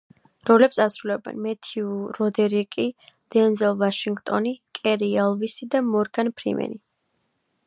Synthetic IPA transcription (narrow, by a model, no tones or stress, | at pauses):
ɾɔlɛpsasɾulɛbɛ̰nmɛt̪ʰiuɾɔd̪ɛɾikʼid̪̥ɛnzɛlˠvaʃiŋɡt̪ʼɔnikʼɛɾialˠvisid̪amɔɾɡanpʰɾḭmɛ̰ni